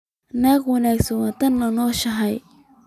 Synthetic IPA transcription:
naːkwɐnaːksɐwat̪ʰɐnːɐnɔːʃɐɦɐj

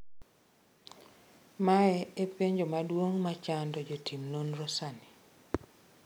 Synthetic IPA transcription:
maɛepeɲd͡ʒomadwoŋmat͡ʃandɔd͡ʒotimnonrɔsani

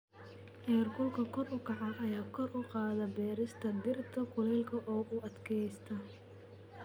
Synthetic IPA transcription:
ʔɛːrkʰʊlkʰɐkʰɔrʊkʰɑʕɑʔɐjaːkʰɔrʔʊqɑːðɐbɛːɾɪst̪ʰɐd̪ɪrt̪ʰɐkʰʊlɛlkʰɐʔɔːʔʊɐd̪kʰɛjst̪ʰɐ

